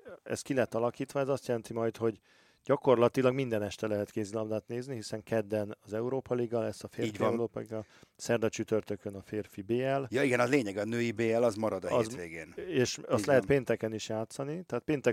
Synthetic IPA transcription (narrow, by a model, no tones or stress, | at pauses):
ɛ̰st̪kilɛt̪ːɒlɒkiːt̪ʋɒɛzɒst̪jɛlɛnt̪imɒjt̪ho̞ɟ | ɟ̥ɒko̞rlɒt̪ilɒɡmind̪ɛnɛʃt̪ɛlɛɦɛt̪keːzilɒmd̪aːt̪neːzniɦisɛŋkɛd̪ːɛnɒzɛuɾoːpɒliɡːɒlɛsːɒfeːrːɟiɛuɾoːpɒliɡɒlsɛrd̪ɒt͡ʃyt̪ø̞rt̪ø̞kønɒfeːrfibeːɛljoiɡɛnɒzleːɲɛɡɒnøːjibeːɛlɒzmɒɾɒd̪zeːɡeːneːʃɒst̪lɛɦɛpeːnt̪ɛkɛniʃjaːt̪sɒnit̪ɛaːt̪̚peːnt̪ɛ